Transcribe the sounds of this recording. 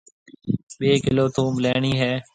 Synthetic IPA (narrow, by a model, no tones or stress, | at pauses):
ɓeːkɪloːt̪ʰũːmleːɳiːɦɛː